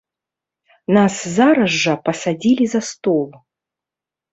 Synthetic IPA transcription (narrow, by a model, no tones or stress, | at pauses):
naszaɾɐʐːɐpɐsɐdʲilʲizɐst̪olˠ